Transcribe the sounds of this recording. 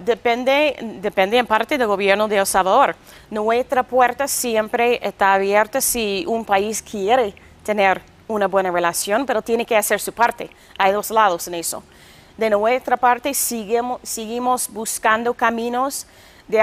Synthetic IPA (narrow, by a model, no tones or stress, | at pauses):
d̪epend̪ed̪epend̪eempaɾt̪eðelɡo̞βjeɾnoðelsalβaðoɾ | noet̪ɾapweɾt̪asjempɾeest̪aːβjeɾt̪asiumpaiskʰjeɾe | t̪eneɾ | unaβwe̞narelasjonpeɾot̪jenekeaseɾsupaɾt̪ḛ | ajðozlað̞oseneso̰ | d̪enoet̪ɾapaɾt̪esiɣemsiɣimozbuskand̪okamĩnos | d̪e